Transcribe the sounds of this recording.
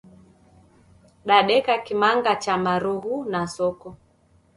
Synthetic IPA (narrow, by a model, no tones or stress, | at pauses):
ɗaɗɛkakimaŋɡat͡ʃamaɾuɦunasɔkɔ